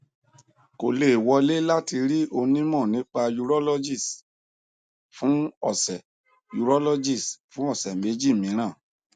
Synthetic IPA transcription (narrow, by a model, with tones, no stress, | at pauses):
ko˨le˨wɔ˧le˦la˦ti˧ɾi˦o˧nĩ˦mɔ̃˦˨nĩ˨˦k͡pa˧ju˧ɾɔ˦lɔ˦d͡ʒi˦˨s | fũ˨˦ɔ˦˨sɛ˨ | ju˨˧ɾɔ˦lɔ˦d͡ʒi˦˨sfũ˨˦ɔ˦˨sɛ˨me˨˦d͡ʒi˦˨mĩ˨˦ɾ̃ã˦˨